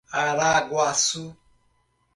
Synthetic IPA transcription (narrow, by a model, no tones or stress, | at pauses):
aɾaɡwasu